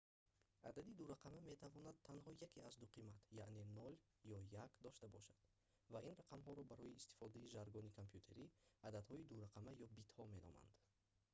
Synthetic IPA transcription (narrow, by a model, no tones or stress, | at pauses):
ʔad̪ad̪id̪uɾaqʰamame̞t̪ʰavɔnad̪̚tʰːanhɔjakʰiazd̪uqʰimat̪jaʔne̞nɔl | jɔjakd̪ɔʃt̪abɔʃad̪̥ | vainraqʰamɦɔɾɔbaɾɔiːst̪i̥fɔd̪aiʒaɾɡɔnikʰompʰjut̪ʰe̞ɾiad̪ad̪hɔid̪uɾaqʰamajɔbit̪hɔme̞nɔ̰ma̰nd̪̥